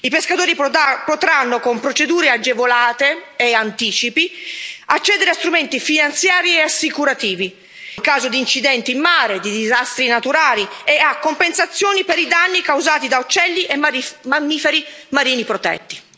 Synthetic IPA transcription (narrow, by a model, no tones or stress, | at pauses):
ipeskat̪oːɾipot̪ɾanːokompɾot͡ʃed̪uːɾead͡ʒevolaːt̪eːant̪iːt͡ʃipiat͡ʃːɛːd̪eɾeast̪ɾument̪ifinant̪sjaːɾieasːikuɾat̪iːvi | ŋkaːzod̪iːnt͡ʃid̪ɛnt̪iːmːaːɾed̪id̪izast̪ɾinat̪uɾaːlieakːompensat̪sːjoːnipeɾid̪anːikawzaːt̪id̪aut͡ʃːɛlːiʔemamːiːfeɾimːaɾiːnipɾot̪ɛ̰t̪ːi̥